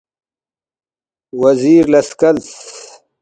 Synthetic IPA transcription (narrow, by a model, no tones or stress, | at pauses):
wɐziːɾlɐskɐls